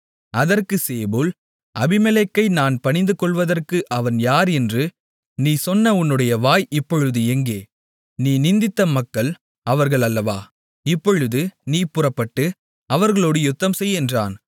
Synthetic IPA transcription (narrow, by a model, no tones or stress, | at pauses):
ɐðɐrkɯseːbuːl | ʔɐbɪmɛlɛkːɐɪnaːnpɐɳɪnd̪ɯkɔɭʋɐðɐrkɯʔɐʋɐnjaːɾɛndrɯ | niːsɔnːɐʊnːɯɽɐjɐʋaːjɪpːɔɻɯðɯɛŋɡeː | niːnɪnd̪ɪt̪ːɐmɐkːɐɭ | ɐʋɐɾɣɐɭɐlːɐʋa̰ː | ɪpːɔɻɯðɯniːpʊrɐpːɐʈːɯ | ɐʋɐɾɣɐɭoːɽɯjʊt̪ːɐmsɛjːɛndraːn